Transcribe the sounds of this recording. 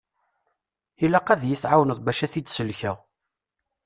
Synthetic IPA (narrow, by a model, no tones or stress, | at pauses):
ilæqæðjiθʕawnəðˤbæʃæθid̪səlçəʁ